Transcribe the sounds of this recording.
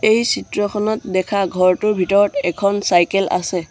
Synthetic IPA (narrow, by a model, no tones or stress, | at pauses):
ejsitɹɔkʰɔnɔtdɛkʰaɡʱɔɹtʊɹbʱitɔɹɔtɛkʰɔnsajkɛlʔa̰sɛ